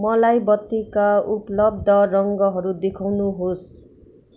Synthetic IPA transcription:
mʌlajbʌt̪ːikauplʌb̚d̪ʌɾʌŋɡʌɦʌɾud̪ekʰawnuɦos

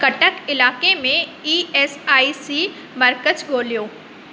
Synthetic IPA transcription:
kɐʈəkɪlaːkemẽiːeːsaːisiː | məɾkət͡ʃɡʱoːlijoː

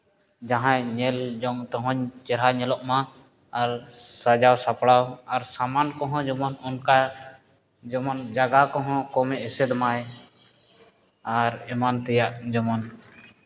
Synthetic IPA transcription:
d͡ʒaɦãjɲɛld͡ʒɔŋt̪ɔɦɔ̃ɲt͡ʃɛɾɦaɲɛlɔʔma | aɾsad͡ʒawsapɽawaɾsamankɔɦɔ̃d͡ʒɔmɔnɔnka | d͡ʒɔmɔnd͡ʒaɡakɔɦɔ̃kɔmɛʔsɛd̪maj | aɾɛmant̪ɛjaʔd͡ʒɔmɔn

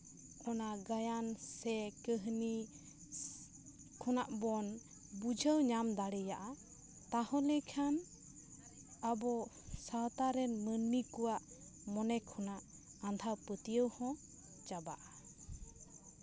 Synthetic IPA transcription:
ʔɔnaɡajansɛkəɦni | kʰɔnaʔbɔn | bud͡ʒʱəwɲamd̪aɽɛjaʔa | t̪ahɔ̃lɛkʰan | abɔ | sawt̪aɾɛnmənmikuwaʔ | mɔnɛkʰɔnaʔ | and̪ʱawpət̪ijəwhɔ̃ | t͡ʃabaʔa

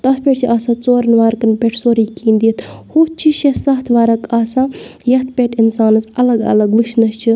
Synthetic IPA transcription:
t̪ɐspʰʲeʈsiʔaːsãːt͡soːɾnʋaːɾkɐnpʲeʈʰsoːɾiːkiːnd̪it̪ʰhut͡ʃʰiʃesɐɦt̪ʰʋaːɾɐkaːsãːjɐt̪ʰpʲeʈʰinsaːnɐsɐlɐɡɐ̰lɐɡʋɨʃnɐst͡ʃʰi

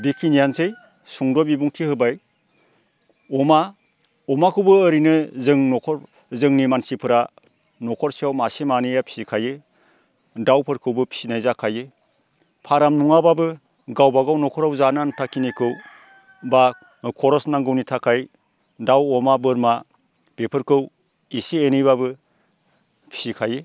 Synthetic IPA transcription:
bikʰinijansɯj | suŋdɔbibuŋtʰihɯbaj | ɔma | ɔmakʰɯwbɯːɾinɯzɯŋnɔkʰɔɾ | zɯŋnimansipʰɯɾa | nɔkʰɔɾsiawmasemanijapʰi̥sikʰajɯ | dawpʰɯɾkʰɯwbɯpʰi̥sinajzakʰajɯ | pʰaɾamnuŋababɯ | ɡawbaɡawnɔkʰɔɾawzanantʰakʰinikʰɯw | ba | kʰɔɾɔsnaŋɡɯwnitʰakʰaj | dawɔmabɯɾma | pepʰɯɾkʰɯw | isienijβabɯ | pʰi̥sikʰaje

